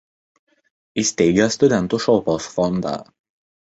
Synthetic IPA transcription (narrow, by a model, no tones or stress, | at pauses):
isʲt̪ʲɛɪɡʲɛst̪ʊd̪ʲɛnt̪uˑʃɔʊpoːsfɔnd̪ɑ̰ː